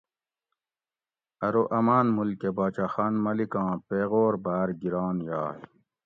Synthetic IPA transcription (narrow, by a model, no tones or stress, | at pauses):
ɐɾoʔɐmaːnmulkebaːt͡ɕaːxaːnmɐlikɑ̃ːpeːɣoːɾbaːɾɡiɾɑːnjaːj